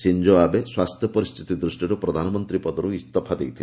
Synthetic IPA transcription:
sind͡ʒoabeswast̪ʰjɔpɔɾist̪ʰit̪id̪ɾusʈiɾupɾɔd̪ʱanɔmɔnt̪ɾipɔd̪ɔɾuist̪ɔpʰad̪ejt̪ʰile

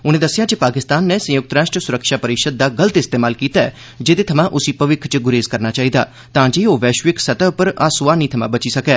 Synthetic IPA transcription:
ʊnẽːd̪əsɪjaːd͡ʒepaːkɪst̪aːnːesə̃jʊk̚t̪əɾaːʃʈɾəsʊɾəkʃaːpəɾɪkʃəd̪̚ːaːɡələt̪ɪst̪eːmaːlkiːt̪aɛ̰ː | d͡ʒɪt̪eːt̪ʰɐmãʔʊsipɐʋɪkʰt͡ʃəɡʊɾeːzkəɾnaːt͡ʃaːɦiːd̪a̰ː | t̪ãːd͡ʒeːoːʋɛːʃʋɪksɐt̪ɛpəɾaːsʊʋaːnĩːt̪ʰɐmã̰bət͡ʃisɐkɛː

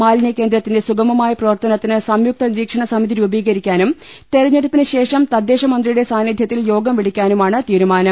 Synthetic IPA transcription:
maːlnjɐkend̪ɾɐt̪ːinde̞suɡɐmɐmaːjɐprɐʋɐrt̪ɐnɐt̪ːinɨsɐmjuk̚t̪ɐniɾiːkʂɐɳɐsɐmiðiɾuːbiːɣɐɾikʲːaːnum | t̪eɾɐɲːeɽupːinɨɕe̞ːʂɐmt̪ɐd̪ːe̞ːʂɐmɐnd̪rijuɽe̞saːnid̪ʱjɐt̪ːiljo̞ːɡɐmʋiɽikʲːaːnumaːɳɨt̪iːɾumaːnɐm

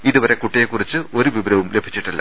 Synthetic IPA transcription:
iðuʋɐɾe̞kuʈːijekːurit͡ɕːɨʔo̞ɾuʋibɾɐʋumle̞bʱit͡ɕːiʈːilːɐ̰

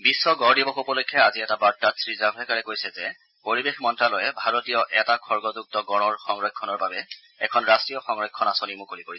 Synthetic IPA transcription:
bisːɔɡɔɹdibɔxupɔlojkʰːɛaziɛtabaɹ̚tːatsɹizabɛkaɹɛkojsɛzɛ | poɹibexmɔntɹalɔjɛbʱaɹotijɔʔɛtakʰɔɹɡɔzuk̚tɔɡɔnɔɹxɔŋɹɔjkʰːɔnɔɹbabɛ | ɛkʰɔnɹastɹijɔxɔŋɹɔkʰːɔnasonimukolipoɹisɛ

